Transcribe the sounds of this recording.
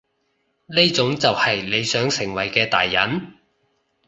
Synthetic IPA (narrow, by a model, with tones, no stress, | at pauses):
ne˥t͡sʊ˨˥ŋt͡sɐ˨whɐ˨jle˨˧jsœː˨˥ŋsɪ˨˩ŋwɐ˨˩jkɛː˧t̪a̰ː˨jːɐ̰˨˥n